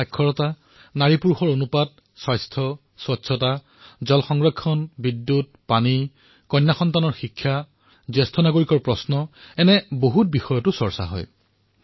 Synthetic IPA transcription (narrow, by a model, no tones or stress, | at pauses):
ajkʰːɔɹɔta | naɹipuɹxɔɹonupad̚ | swajstʰɔ | swɔtsʰɔta | zɔlxɔŋɹɔkʰːɔnbidːut̚ | pani | kɔjnːaxɔntanɔɹxikʰːja | zɛstʰɔnaɡoɹikɔɹpɹɔsnɔɛnɛboɦut̚bixɔjɔtʊsɔɹsa̰ɦɔ̰j